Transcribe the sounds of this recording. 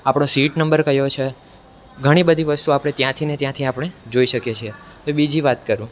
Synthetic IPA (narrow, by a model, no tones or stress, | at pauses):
apɽ̃õsiʈnəmbəɾkəjot͡ʃʰe | ɡʱəɽ̃ibəd̪ʱiʋəst̪uapəɽ̃et̪jãt̪ʰinet̪jãt̪ʰiapɽ̃ed͡ʒoiʃəkjet͡ʃʰie | ebid͡ʒiʋat̪kəɾũ